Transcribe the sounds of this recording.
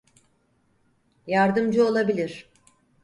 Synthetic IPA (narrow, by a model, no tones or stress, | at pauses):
jaɾd̪ɯmd͡ʒuo̞lˠabilʲiɾ̥